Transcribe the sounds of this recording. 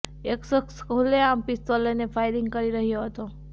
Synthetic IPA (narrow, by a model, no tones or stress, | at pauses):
eksəkskuleampist̪olenefajɾiŋɡ̚kəɾiɾəɦjoɦət̪o